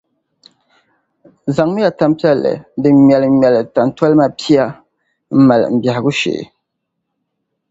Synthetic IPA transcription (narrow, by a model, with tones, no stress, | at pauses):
za˨ŋmɨ˦ja˨ta˦m˦pi˦ɛ˦lːɨ̰˨dɨ˨˦m˨ɛ˨lɨ˨˦mɛ˨lɨ˨ta˨n˦ta˦lɨ˦ma˦pi˦a˦ | m̩˦ma˨lɨ̰˨m̩˨bja˨hɪ˨ɡu˦ʃḛ˨